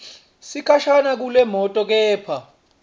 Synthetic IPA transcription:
sikʰaʃanak̬ulɛmɔtʼɔk̬ɛːpʰa

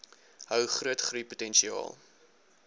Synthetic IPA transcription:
ɦœwχruətχrujputɛnʃiɑ̰ːlˠ

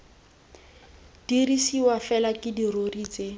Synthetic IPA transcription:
d̥irisiwafɛlakʼɪdirorit͡se

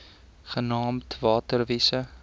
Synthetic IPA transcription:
χənɑːmtvɑːtərvisə

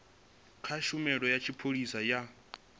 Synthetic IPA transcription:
kʰaʃumɛɺɔjat͡ʃʰipʰoɺisaja

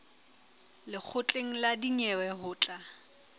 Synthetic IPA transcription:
lɪk͡xʰʊt͡ɬʼeŋ̩ladiɲɛwɛɦʊːt͡ɬʼa

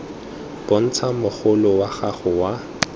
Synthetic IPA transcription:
b̥ʊn̩t͡sʰamʊχʊlʊwaχaχʊwa

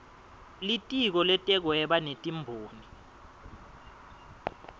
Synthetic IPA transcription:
litʼik̬ɔlɛtʼɛk̬wɛɓanetʼimbʱoːni

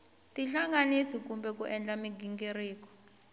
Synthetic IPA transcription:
tʼiɬaŋanisik̬ʼumbʱɛkuʔɛnd͡ɮamiɡʱiŋɡeriːk̬ɔ̥

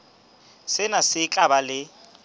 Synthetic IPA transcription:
sɪnasɪkʼabalɪ

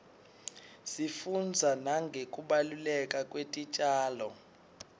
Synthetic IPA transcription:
sifund͡zʱanaŋɡʱekʼuɓalulɛkʼakʼwetʼit͡ʃʼaːlɔ

